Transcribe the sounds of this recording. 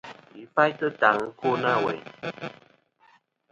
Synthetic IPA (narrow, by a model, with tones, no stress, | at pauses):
i˨˦pa˦jtə˦ta˨˦ŋ˦ko˦na˦˨wɛ̰˨